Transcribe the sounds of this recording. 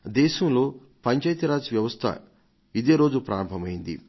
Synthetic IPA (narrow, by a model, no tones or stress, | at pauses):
d̪ɛːʃɐmlo̞ː | pɐɲt͡ʃɐjt̪iɾaːd͡ʒʋjɐʋɐst̪ʰɐ̰ | id̪e̞ːɾo̞ːd͡ʒupɾa̰ːɾɐmbʱɐmɐjind̪ḭ